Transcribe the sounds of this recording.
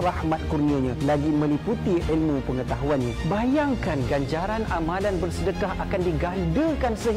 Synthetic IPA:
rahmãt̪̚kurnĩaɲãlaɡimə̃liput̪iʔilmũpəŋət̪aɦuanɲãbajaŋkanɡaɲd͡ʒaɾanamãlanbərsədəkaɦakandiɡandəkansəɦ

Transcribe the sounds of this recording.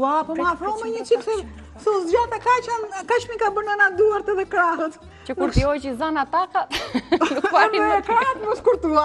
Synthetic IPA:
apɔafɾɔmɛɲət͡ʃisɛ | sɛzd͡ʒat̪akat͡ʃankat͡ʃmikabəɾnanad̪uaɾt̪ɛðɛkɾaɦət̪ | t͡ʃəkuɾt̪iɔt͡ʃizanat̪akalukfaiɛkɾaət̪mɔskuɾt̪ua

